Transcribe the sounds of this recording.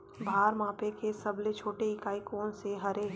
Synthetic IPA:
bʱaːɾmãːpekesɐblet͡ʃʰoːʈeɪkaːikoːnseɦɐɾe

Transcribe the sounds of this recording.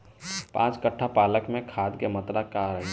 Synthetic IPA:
pã̰ːt͡ʃkəʈʰːapaːləkmẽkʰaːd̪kemət̪ɾakaːɾəɦi

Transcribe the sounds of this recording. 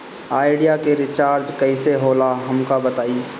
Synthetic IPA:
aːɪɖijakeɾɪt͡ʃaːɾd͡ʒkɐiseɦoːlaɦɐmkabət̪aːi

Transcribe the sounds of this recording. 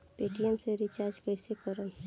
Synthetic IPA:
peʈiɛmseɾit͡ʃaːɾd͡ʒkɛɪsekəɾən

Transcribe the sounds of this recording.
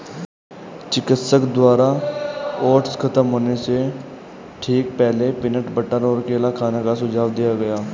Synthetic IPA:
t͡ʃɪkɪt̪səkd̪waːɾa | ɔːʈskʰət̪əmɦoːnese | ʈʰiːkpɛɦlepɪnəʈbəʈːənɔːɾkeːlakʰaːnekasʊd͡ʒʱaːʋd̪ijaɡɐjaː

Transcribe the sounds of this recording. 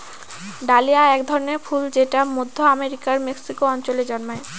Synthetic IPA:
ɖaliaɛkd̪ʱɔɾoneɾfʰuld͡ʑeʈamod̪ʱːoameɾikaɾmeksikoɔnt͡ɕoleɾd͡ʑɔnmoe

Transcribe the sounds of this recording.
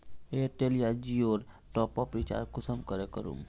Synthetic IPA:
eʈelijad͡ʒioːɾ | ʈɔpɔpɾit͡ʃa̰ɾkʊsəmkəɾekəɾṵm

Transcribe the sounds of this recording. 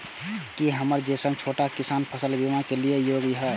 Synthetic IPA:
kiɦəməɾd͡ʒesə̃ŋɡt͡ʃʰoːʈakisanpʰəsəlbimãkeliejoɡiɦɛ

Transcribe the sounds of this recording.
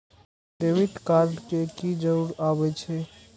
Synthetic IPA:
d̪eʋit̪kaɾɖkekid͡ʒəuɽabɛt͡ʃʰe

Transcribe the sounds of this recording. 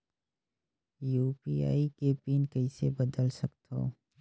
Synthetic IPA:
juːpiːa̰ːikepiːnkɐɪsebəd̪əlsɐkt̪ɦo̰ː

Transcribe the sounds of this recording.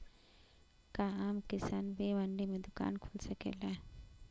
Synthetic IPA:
kaaːmkɪsaːnʋeːʋɐɳɖimẽd̪ʊka̰ːnkʰulsɐkḛːla

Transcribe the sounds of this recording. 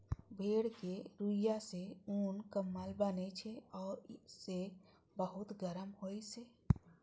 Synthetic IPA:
bʱeɽkeɾujaseunkəmːalbənɛt͡ʃʰɛɔːɾse | bəɦut̪ɡəɾəmɦojse

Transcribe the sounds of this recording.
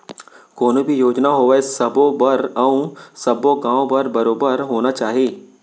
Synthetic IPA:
koːnũbʱijoːd͡ʒnaɦoːʋəesɐbobəɾɐũsɐboɡãːõbəɾbɐɾoːbəɾɦoːnat͡ʃaːɦieː

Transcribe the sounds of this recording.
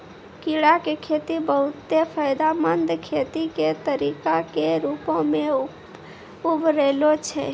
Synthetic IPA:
kiɽakekʰet̪ibəɦut̪ːepʰəjd̪amənd̪kʰet̪iket̪əɾikakeɾupõme | ubʱɾelot͡ʃʰɛ̰

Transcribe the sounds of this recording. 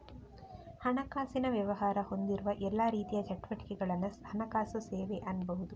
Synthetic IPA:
hɐnɐkaːsinɐʋjɐʋɐɦaːɾɐho̞nd̪iɾuʋɐʔɛlːaːɾiːt̪ijɐt͡ʃɐʈʋɐʈi̥kɛɡɐɭɐnːuhɐnɐkaːsɐseːʋeʔɐnbɐɦud̪u

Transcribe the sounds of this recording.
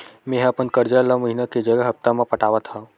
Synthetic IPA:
mẽːɦɐpənkəɾd͡ʒalaməɦinaked͡ʒəɡəɦɐp̚t̪amãpɐʈaːʋət̪ɦã

